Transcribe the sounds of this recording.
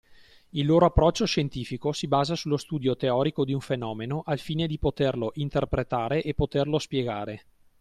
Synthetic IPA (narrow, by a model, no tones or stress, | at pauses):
ilːoːɾoapːɾɔt͡ʃːoʃent̪iːfikosibaːzasulːost̪uːd̪jot̪eɔːɾikod̪iuɱfenɔːmenoʔalfiːned̪ipot̪erloʔint̪erpɾet̪aːɾeʔepːot̪erlospjeɡaːɾe